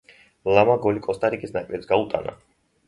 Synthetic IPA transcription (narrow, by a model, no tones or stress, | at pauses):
lamaɡɔlikʼɔst̪ʼaɾikʼisnakʼvɛpsɡaut̪ʼa̰na̰